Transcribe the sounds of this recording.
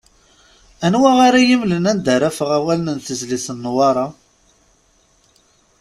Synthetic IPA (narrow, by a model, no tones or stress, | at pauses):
ænwæʁaɾajimlənænd̪əɾæfəʁæwælənənθəzlisənːwɑɾˤɑ